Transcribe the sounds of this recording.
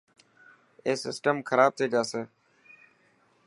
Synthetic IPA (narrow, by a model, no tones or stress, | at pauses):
eːsɪ̰sʈəmkʰəɾaːb̚t̪ʰeːd͡ʒaːseː